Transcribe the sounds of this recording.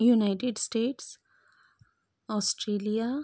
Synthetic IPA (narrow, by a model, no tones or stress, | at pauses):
junaɪʈeɖsʈeːʈs | ɔːsʈɾeːlia